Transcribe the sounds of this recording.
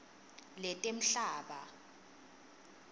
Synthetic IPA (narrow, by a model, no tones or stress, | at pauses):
lɛtʼem̩ɬaːɓa̰